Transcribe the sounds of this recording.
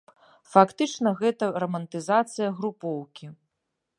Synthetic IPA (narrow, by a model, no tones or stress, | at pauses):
fakt̪ɨt͡ʂnɐɣɛt̪ɐrɐmɐnt̪ɨzat̪sɨjɐɣɾupɔwkʲi